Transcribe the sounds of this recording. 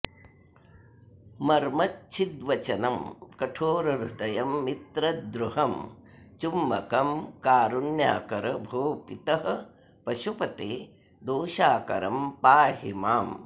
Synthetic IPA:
mɐɾmɐtt͡ʃʰid̪ʋɐt͡ʃɐnɐmkɐʈʰoːɾɐɾud̪ɐjɐmːit̪ɾɐd̪ɾuɦɐm | t͡ʃumːɐkɐmkaːɾunja̰ːkɐɾɐbʱoːpit̪ɐɦɐ̆ | pɐʃupɐt̪eː | d̪oːʃaːkɐ̰ɾɐmpaːɦimaːm

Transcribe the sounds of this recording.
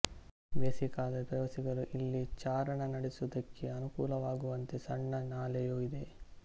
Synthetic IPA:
ʋesikaːd̪ɐpɾɐʋɐsiɡɐɾuʔilːit͡ʃaːɾɐɳɐnɐɽesud̪ɐkʰːeɐnukuːlɐʋaːɡuʋɐnt̪esɐɳːɐnaːlejuid̪e̞

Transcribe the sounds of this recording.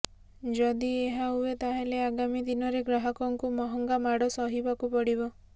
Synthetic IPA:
d͡ʒɔd̪ieɦaɦuet̪aɦeleaɡamid̪inɔɾeɡɾaɦɔkɔŋkumɔɦɔŋɡamaɽɔsɔɦibakupɔɽibɔ

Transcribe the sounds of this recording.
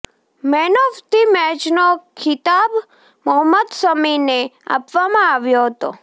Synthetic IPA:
mɛnoft̪imɛt͡ʃnokʰɪt̪ab | məɦəmːəd̪səminea̰pʋamãaʋjoɦət̪o̰

